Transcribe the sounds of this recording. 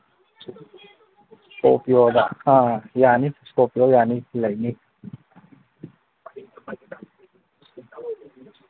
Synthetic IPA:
skopiod̪a̰ãjaːniskopiojaːnilajni

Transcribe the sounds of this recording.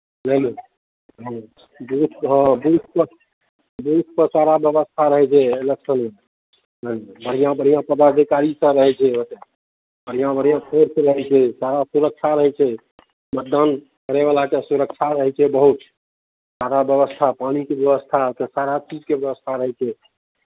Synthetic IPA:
lele | ɦ | bɦut̪ɦə̃buut̪ʰpə | bəɦut̪̚ʰpəsaɾabjəbəst̪ʰaɾəɦɛt͡ʃʰɛːləksənme | nəlbəɽ̤ijãbəɽ̤ijãpəd̪ad̪ʱikaɾisə̃ɾəɦɛt͡ʃʰɛot̪e | bəɽ̤ijãbəɽ̤ijãkʰeɾsə̃ɾəɦɛt͡ʃʰɛsaɾasuɾək̚t͡ʃʰaɾəɦɛt͡ʃʰɛ | mət̪̚d̪an | kəɾeβalakesuɾəkt͡ʃʰaɾəɦɛt͡ʃʰɛbəɦut̪ | saɾabjəβəst̪ʰapañikebjəβəst̪ʰaot̪əsaɾat͡ʃid͡ʒkebjəbəst̪ʰaɾəɦɛt͡ʃʰɛ

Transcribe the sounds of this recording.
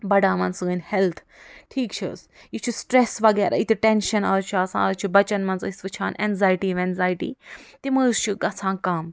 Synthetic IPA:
bɐɽaːmɐnsɨɨnhɛlt̪ʰ | ʈʰiːkt͡ʃʰis | jit͡ʃʰisʈɾesʋɐɡɛːɾʔa̰ːit̪ʰiʈenʃɐnɐːɾt͡ʃʰiɐsã̰ːɐɾt͡ʃʰibɐt͡ʃɐnmɐnsɨisʋɨt͡ʃʰaːnʔɛnzaːjʈiːʋẽnzaːjʈḭːt̪imɨst͡ʃʰiɡɐt͡sʰãːkɐm

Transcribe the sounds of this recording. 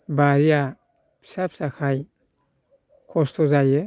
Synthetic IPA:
baɾia | pʰi̥sapʰi̥sakʰaj | kʰɔst̪ʰɔzajɛ

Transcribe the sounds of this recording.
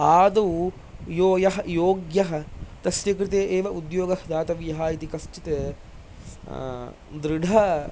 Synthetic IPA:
aːd̪ɐ | joːjɐɦɐjoːɡjɐɦɐ̆t̪ɐsjɐkɾɪt̪eːʔeːʋɐʔud̪joːɡɐhɐd̪aːt̪ɐʋjɐɦaːit̪ikɐst͡ʃit̪eː | d̪ɾɪɖʱɐ

